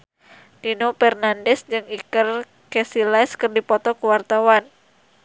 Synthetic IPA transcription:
dinopɛrnandɛsd͡ʒɨŋikər | kɛsilaskɨrdipɔt̪ɔkəwart̪awan

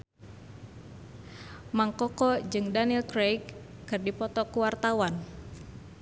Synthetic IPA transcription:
maŋkɔkɔd͡ʒɨŋdaniilkɾejkː | ɨrdipɔt̪ɔkuwart̪awan

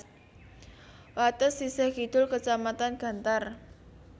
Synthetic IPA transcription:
wat̪əsːisɛhkid̪̥ʊlkət͡ʃamat̪anɡ̥a̤nt̪ar

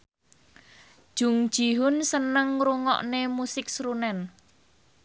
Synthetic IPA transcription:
d̥ʒ̥ṳŋd̥ʒ̥i̤ɦʊnsənəŋɾuŋɔ̰ʔnemusɪk̚sɾunɛn

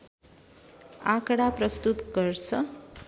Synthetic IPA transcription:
ãkɽaprʌst̪ut̪ɡʌrt͡sʰʌ

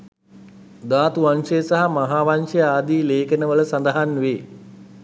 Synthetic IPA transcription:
d̪aːt̪uʋanʂejsaɦamaɦaːʋanʂejaːd̪iːleːkənəʋələsand̪əɦanʋeː

